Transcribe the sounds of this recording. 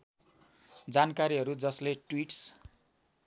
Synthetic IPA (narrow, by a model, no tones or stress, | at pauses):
d͡zankaɾiɦʌɾud͡zʌsleʈwiʈs